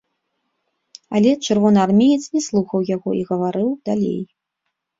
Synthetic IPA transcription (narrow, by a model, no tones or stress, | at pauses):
a̰lʲɛt͡ʂɨrvɔnɨarmʲejɛt̪snʲɛslˠuxɐwjaɣɔ̰ʔiɣɐvaɾɨwd̪alʲḛj